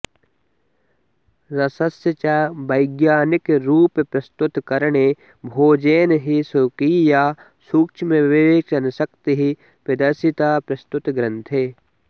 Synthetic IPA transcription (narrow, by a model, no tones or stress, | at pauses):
ɾɐsɐsjət͡ʃabɐjɡjaːnɪkɾuːppɾɐst̪ʊt̪kɐɾɳe | bʱoːd͡ʒeːnɦisukijaː | suːkt͡ʃʰmẽʋeeːt͡ʃɐnsɐkt̪eɦi | pɪd̪ɐɾsɪt̪aːpɾɐst̪ʊt̪ɡɾə̃nt̪ʰeː